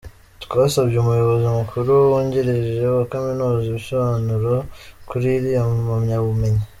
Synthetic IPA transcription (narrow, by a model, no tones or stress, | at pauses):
tu̥kaβasabɟemujo̞βoziumukʰuɾuwoːɲɟeɾeʒeakaminoːziβiso̞βaːnuɾokuɾiɾijamamɲaβume̞ɲe